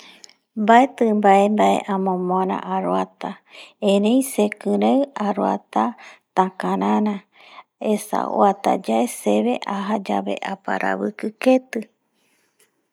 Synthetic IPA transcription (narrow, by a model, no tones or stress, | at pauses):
mbaet̪ɨmbaembaʔe̞̰ʔãmõmoɾã̰ʔaɾoat̪aẽɾẽj̃sekɨɾawaɾoat̪at̪ãkãɾãɾã | esa̰o̰at̪a̰d͡ʒaeseβe̞ʔaɦad͡ʒaβe̞̰ʔapaɾʔa̰βɨkɨket̪ɨ